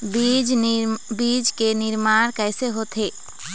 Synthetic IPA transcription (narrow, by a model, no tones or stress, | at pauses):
bid͡ʒbiːd͡ʒkenɪɾmaːɽ̃kɛːseɦoːt̪ɦeː